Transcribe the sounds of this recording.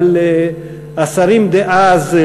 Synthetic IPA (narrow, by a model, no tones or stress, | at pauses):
le | asaɾimd̪eʔaz